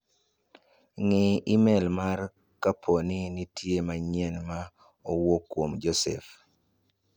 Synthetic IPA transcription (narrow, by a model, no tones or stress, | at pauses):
ŋɪɪmɛlmar | kapʰonɪnitʰjemaɲɛnma | owokːwomd͡ʒɔsɛf